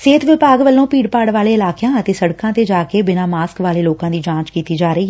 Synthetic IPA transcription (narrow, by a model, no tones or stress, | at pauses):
seːt̪ʋɪpaːɡʋəlːõːpiːɽpaːɽʋaːleːɪlaːkjãːət̪eːsəɽkãːt̪eːd͡ʒaːkeːbɪnaːmaːskʋaːleːloːkãːd̪iːd͡ʒãːt͡ʃkiːt̪iːd͡ʒaːɾəiːɦɛ